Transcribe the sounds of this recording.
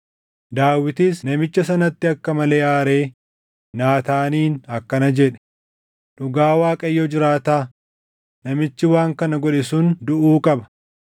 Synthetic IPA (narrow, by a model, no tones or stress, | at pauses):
d̪aːwːɪt̪iːsnɐmɪt͡ʃːɐsɐnɐt̪ːɪɐkːɐmɐle̞ːʔaːɾe̞ː | naːt̪aːniːnɐkːɐnɐd͡ʒɛᶑɛ̥ | ᶑʊɡaːwaːkʼɐjːɔd͡ʒɪɾaːt̪aː | nɐmɪt͡ʃːɪwaːŋkɐnɐɡɔᶑɪsʊnd̪ʊʔuːkʼɐbɐ̥